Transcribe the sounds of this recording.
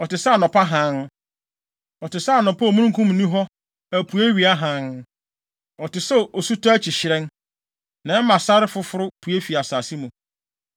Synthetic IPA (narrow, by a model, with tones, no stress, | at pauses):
ɔ˨tɪ˨sa˦˨nɔ̃˨pʰa˦ɦã˨˦n˦ | ɔ˨tɪ˨sa˦˨nɔ̃˨pʰa˦o˨mũ˦ɾũ˦kʰũ˦m˨nĩ˦ɦɔ˦ | æ˨pʰu˨e˦ɥi˨a˦ɦã˨˦n | ɔ˨tɪ˨sɛ˦o˨su˦tʰɔ˦æ˦t͡ɕʰɪ˨ɕɪ˨ɾɛ̃˦n | nã˨˦mã˨sa˦ɾɪ˦fʊ˦fʊ˦ɾʊ˦pʰu˨e˦fi˨a˨saː˨si˦mũ˨